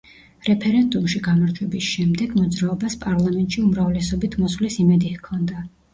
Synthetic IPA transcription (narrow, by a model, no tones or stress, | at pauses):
ɾɛpʰɛɾɛnd̪umʃiɡamaɾd͡ʒ̪ʰwɛbisʃɛmd̪ɛɡmɔd̪zɾaɔbaspʼaɾlˠamɛnt̪ʼʃiumɾavlɛsɔbit̪ʰmɔslisimɛd̪ihkʰɔnd̪a